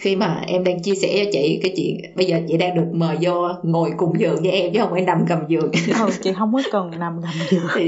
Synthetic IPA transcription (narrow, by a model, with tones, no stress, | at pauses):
xi˧maː˨˩ʔɛ˧mɗaː˧ŋt͡ɕi˧əsɛ̰˧˩t͡ɕɔ˧t͡ɕḭ˧˨kaː˨˦jt͡ɕwḭ˧˨ənɓə˧jzəː˨˩t͡ɕḭ˧˨ɗaː˧ŋɗɨ˨˩ək̚məː˨˩jzɔ˧ŋo˨˩jkʊ̰˨˧˩ŋ͡mzɨ̰˨əŋzə˧˦ʔɛ˧mt͡ɕə˧˦hə˧wŋ͡mhaː˧˦jna˨˩mɣə˨˩mzɨ˨əŋə˧˩t͡ɕḭ˧˨ɦə˧wŋ͡mku˨˦kə˨˩nna˨˩mkə˨˩mzɨ˨˩əŋʰi˨˩